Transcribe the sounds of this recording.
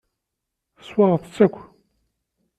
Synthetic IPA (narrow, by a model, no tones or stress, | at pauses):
θəswɑʁəθət͡sːækʷː